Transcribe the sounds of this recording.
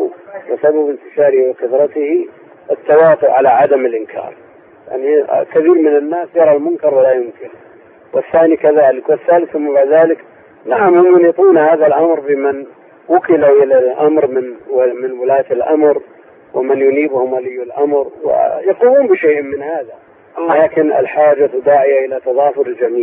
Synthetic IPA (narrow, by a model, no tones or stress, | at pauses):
wɪsababɪnt̪ɪʃɑːɾɪhiwɪqʊdɾˤɑt̪ɪhi | ʔɪt̪ːɑwɑːt̪ʊʔʕalaʕad̪amɪlʔɪnkʰɑ̰ːɾˤ | ja̰ʕnikaθiːɾmɪnanːaːsjɑɾˤɑlmʊnkɑɾˤwalajʊmkɪɾ | wɪθːaːnikaðaːlɪkwɪθːaːlɪθːʊmːabaʕd̪ðaːlɪk | naʕamhʊmjʊnit̪ˤuːnhaːðalʔamɾbɪman | wʊkɪlaʔɪlalʔamɾmɪnmɪnwɪlaːt̪ɪlʔa̰mɾ | wɪmanjʊniːbhʊmwalɪːɪlʔamɾwɪ̰jɑquːmuːnbɪʃejːʔmɪnhaːða | laːkɪnɪ̰lħaːd͡ʒad̪ːaːʕɪjaʔɪlat̪ɑðˤɑːfʊɾɪld͡ʒamiːl